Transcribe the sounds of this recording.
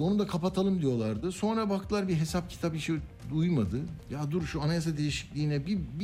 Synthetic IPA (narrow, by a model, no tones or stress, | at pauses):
o̞nud̪akʰapat̪ʰalˠɯmd̪ijo̞lˠaɾd̪ɯso̞nɾabak̚t̪ʰɯlˠaɾbiɦe̞sap̚cʰi̥t̪ʰapiʃiujmad̪ɯjad̪uɾʃuanajas̬ad̪e̞jiʃi̥clʲiːnɛbib